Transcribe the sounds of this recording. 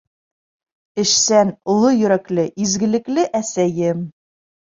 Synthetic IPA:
ɘ̆ʃsænŏlˠojɵ̆ɾæklɘʔizɡɘ̆lɘ̆klɘʔæsæjɘm

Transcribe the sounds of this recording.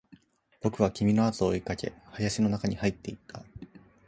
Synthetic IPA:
b̥o̞kɯ̟β̞akʲimʲino̞at̪oːikake̞̰hajaɕino̞nakaɲ̟ihait̪ːe̞it̪ʰːa

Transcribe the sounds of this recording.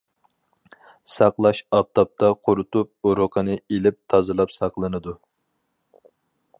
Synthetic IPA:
sɑqlˠɑʃɑp̚t̪ʰɑp̚t̪ʰɑqʰoɾut̪up̚uɾoqʰənɨelɪp̚t̪ʰɑzɨlˠɑpsɑqlˠɨnɨd̪u

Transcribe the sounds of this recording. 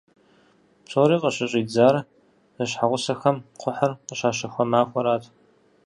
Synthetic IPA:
psʰʼoːɾiːqəɕɪɕʼiːd͡zaːr | zɐɕħaʁʷʊsɐxɐmqʷʰʊħɐrqəɕaːʃɐxʷɐmaːxʷɔɾaːtʰʼ

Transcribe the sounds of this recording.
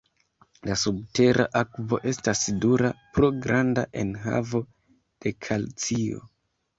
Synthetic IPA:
lasub̚te̞ɾʔa̰ʔakvo̞ʔe̞stasiduɾapɾoɡɾandaʔe̞nɦa̰vo̞ | d̥e̞kʰalt͡sio̞̰

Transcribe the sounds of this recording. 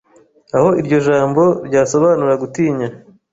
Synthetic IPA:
aho̞iɾɟo̞ʒaːmbo̞ɾɟaːso̞βaːnuɾaɡutiːɲa

